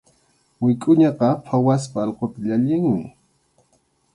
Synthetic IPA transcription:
wɪkʼʊɲɑqɑpʰawaspaːlqot̪aʎaʎɪŋmɪ

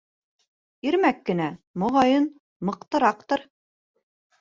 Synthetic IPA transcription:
iɾmækːɘ̆næmŏʁɑjɤn | mɤ̆qt̪ɤ̆ɾɑqt̪ɤɾ

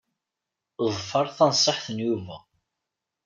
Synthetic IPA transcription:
ðˤfɑɾˤθɑnsˤːəħθənjuvæ

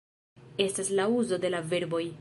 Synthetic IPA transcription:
e̞staslauzo̞de̞lave̞ɾbo̞j

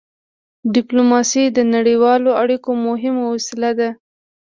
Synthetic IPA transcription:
ɖɪplomɑsid̪ənaɽiwɑloaɽikomʊɦɪmowosɪlad̪a

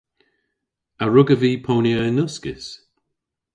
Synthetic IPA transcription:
əɹʊɡəviːpʰoːnjəɪnʊskɪs

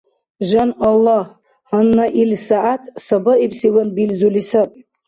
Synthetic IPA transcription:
ʒanalːah | hanːaʔilsaʔatʰsabaipʰsiwanbilzulisapʼ

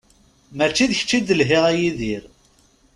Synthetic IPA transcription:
mæt͡ʃːiðəçə̥t͡ʃːid̪əlɦiʁæjiðiɾ

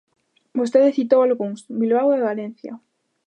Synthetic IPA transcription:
bost̪eðeθit̪owalɣuŋsbilβawðeβalen̟θja̰

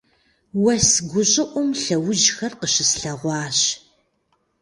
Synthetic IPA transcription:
wɐsɡʷʊɕʼɪʔʷʊmɬɐwʊʒxɐrqəɕɪsɬɐʁʷɑːɕ

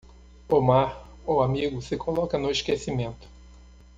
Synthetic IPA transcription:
omaɾ | oamiɡʊsɪkʰolɔkɐnʊiʃkesimẽnt̪ʊ̥

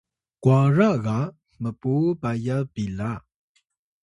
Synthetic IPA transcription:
kwaɹaʔɣa | məpobajabila

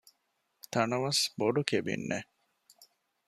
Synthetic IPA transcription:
t̪ɐnɐʋɐsboɖukebḭnːḛ

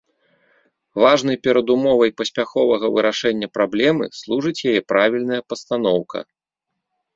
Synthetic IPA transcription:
vaʐnɐjpʲɛɾɐd̪umɔvɐjpɐsʲpʲaxɔvɐɣɐvɨɾaʂɛnʲːɐpɾablʲɛmɨ̰slˠuʐɨt͡sʲjajɛpɾʔavʲilʲnɐjɐpɐst̪an̪ɔwkʰɐ̰

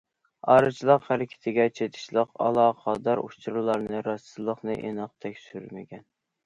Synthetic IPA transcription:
ɑ̰ɾɨt͡ʃʰlˠəqhæɾɪkʲʰɪ̥t̪ʰɪɡʲɛt͡ʃʰet̪ʰɪ̥ʃlˠəqɑ̰lˠɑːqʰɑd̪ɑɾuʃt͡ʃʰɾɨlˠɑɾnɨɾɑsɨlˠəχnɨʔḛnɨq̚t̪ʰɛkʲsyɾmɪɡʲɛn

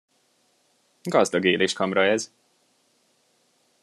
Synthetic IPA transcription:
ɡɒzd̪ɒɡeːleːʃkɒmɾɒɛz

